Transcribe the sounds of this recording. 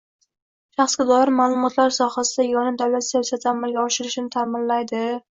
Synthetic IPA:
ʃɑχsɡʲad̪ɒɪɾmaːlˠʊmɒt̪ʰlaɾsɒhasɪd̪ajɒnɪmd̪awlat̪sjsat̪ʰːamalˠɡʲaɒʃɪɾɪʃɪnɪt̪ʰamɪnlajd̪ɪ

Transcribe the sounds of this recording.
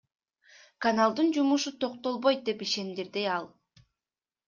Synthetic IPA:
kanalˠd̪ɯnd͡ʒumuʃut̪ʰo̞q̚t̪o̞lˠβo̞jt̪̚d̪e̞piʃe̞nd̪iɾd̪iɑlˠ

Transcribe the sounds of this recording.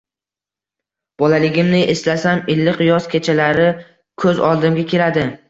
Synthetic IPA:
b̥ɒlalɪɡʲɪmnɪʔeslasamɪlːɪqɨjɒskʲʰet͡ʃʰalaɾɪ | kʰɵzɒ̰lˠd̪ɪmɡʲakʲʰe̞lad̪ɪ

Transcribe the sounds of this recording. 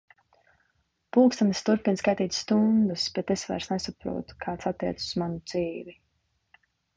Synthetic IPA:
puːkst̪anast̪uɾpinskajt̪iːt̪ʲst̪und̪ɨsbet̪esvɛ̰ɾsnesapɾṵɔt̪kʰaːt̪sat̪ːiɛt̪ssuzmanud̪z̥iːvi

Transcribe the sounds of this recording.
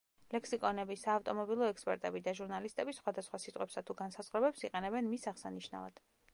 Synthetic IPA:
lɛksikʼɔnɛbisaːft̪ʼɔmɔbilˠɔɛkspʼɛ̰ɾt̪ʼɛbid̪aʒuɾnalist̪ʼɛbisχwad̪asχwasit̪ʼqʼwɛpsat̪ʰuɡansaz̥ʁχɾɛbɛpsiqʼɛnɛbɛnmisaʁsaniʃna̰va̰d̪̥

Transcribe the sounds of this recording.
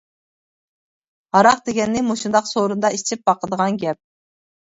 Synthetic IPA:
ɑɾɑqd̪eɡʲɛnːɪmoʃund̪ɑqsoɾund̪ɑit͡ʃʰip̚bɑqʰəd̪əʁɑnɡʲɛp̚

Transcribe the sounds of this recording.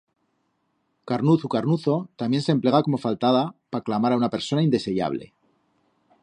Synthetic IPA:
kaɾnuθukaɾnuθo̞t̪amje̞nsemple̞ɣ̞ako̞mo̞falt̪aðapaklamaɾaunape̞ɾso̞naind̪e̞se̞ʝa̰β̞le̞̰

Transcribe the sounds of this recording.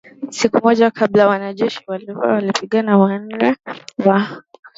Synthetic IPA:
sikumɔʄakʰablajwanaʄɛʃiwaliawalipiɠanawan̩nɛwa

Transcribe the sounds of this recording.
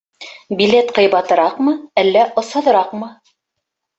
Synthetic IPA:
bʲilet̪qɤ̆jβɑt̪ɤ̆ɾɑqmɤælːæʔŏshɤ̆ðɤ̆ɾɑqmɤ

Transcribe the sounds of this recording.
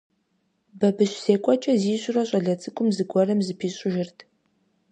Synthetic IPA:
bɐbɨɕseːkʷʼɔt͡ʃʼɐziːɕʷʼʊrɐɕʼɐɮɐt͡sʼɨkʷʼʊmzɨɡʷɔrɐmzɨpʰiːɕʼʊʒɪrtʰ

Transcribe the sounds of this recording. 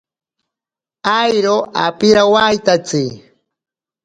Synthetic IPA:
ajɾoa̰pɪɾawajt̪at͡si

